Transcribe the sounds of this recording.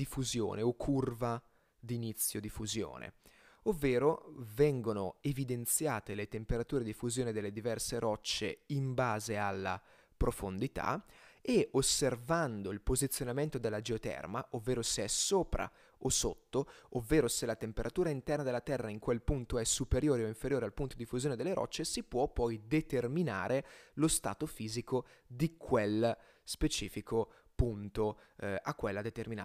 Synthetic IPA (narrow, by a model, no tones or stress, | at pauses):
d̪ifuzjo̰ːneokʰːurva | d̪init̪sːjod̪ifuzjo̰ːnḛ | ovːeːɾovɛŋɡonoevid̪ent̪sjaːt̪elet̪empeɾat̪uːɾed̪ifuzjoːned̪elːed̪ivɛrseɾɔt͡ʃːḛimbaːzealːa̰ | pɾofond̪it̪a̰eosːervand̪oilpozit̪sjonament̪od̪elːad͡ʒeot̪ɛ̰rmaʔovːeːɾoseɛsoːpɾa̰ | osot̪ːoovːeːɾoselat̪empeɾʔat̪uːɾaint̪ɛrnad̪elːat̪ɛrːaiŋkwelpunt̪oɛsːupeɾjoːɾeoiɱfeɾjoːɾealpunt̪od̪ifːuzjoːned̪elːeɾɔ̰t͡ʃːesipwɔpːɔjd̪et̪ermina̰ːɾʔelost̪a̰ːt̪ofiːzikod̪ikʰwel | spet͡ʃḭːfikʰo | punt̪oakːwelːad̪et̪ermina